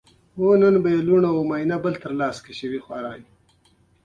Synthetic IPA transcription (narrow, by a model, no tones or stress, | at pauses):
wonənbajeluɳaomaːinabəlt̪əɾlɑːskaʃəwixwaɾɑːni